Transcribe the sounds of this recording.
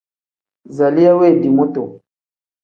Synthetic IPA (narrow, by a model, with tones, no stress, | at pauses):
za˨li˦ja˦we˦˨di˨mo˦to˨